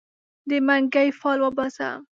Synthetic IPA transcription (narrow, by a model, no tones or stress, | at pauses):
d̪emaŋɡajfɑlwabasa̰